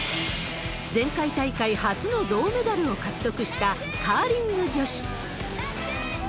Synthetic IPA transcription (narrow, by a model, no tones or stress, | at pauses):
d͡zẽ̞ŋkait̪aikaihat͡sɨno̞d̪o̞ːme̞d̪aɾɯ̟o̞kakɯ̟̥t̪o̞kɯ̟ɕi̥t̪a | kʰaːɾʲĩnːod͡ʑo̞ɕi̥